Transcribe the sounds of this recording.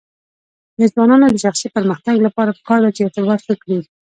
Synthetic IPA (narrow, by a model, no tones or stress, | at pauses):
d̪əzwɑnɑnod̪əʃaxsipəɾməxt̪aɡlapɑɾapə̥kɑɾd̪at͡ʃeɪt̪ɪbɑt̪xəkɽeɡi